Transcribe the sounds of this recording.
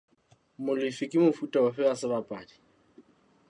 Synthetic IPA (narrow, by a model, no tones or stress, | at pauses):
mʊlifikʼimʊfutʼaʊɸɛasɪβapʼaːdi̥